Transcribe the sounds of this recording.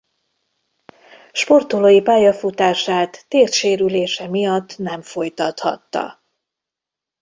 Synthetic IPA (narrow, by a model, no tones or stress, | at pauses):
ʃpo̞rt̪oloːjipaːjɒfut̪aːʃaːt̪ːeːrʃeːɾyleːʃɛmijɒt̪ːnɛɱfo̞jt̪ɒt̪hɒ̰t̪ːɒ̰